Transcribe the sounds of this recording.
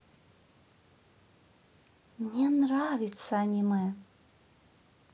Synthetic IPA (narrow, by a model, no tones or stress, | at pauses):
mnʲenravʲɪt̪səanʲimɛ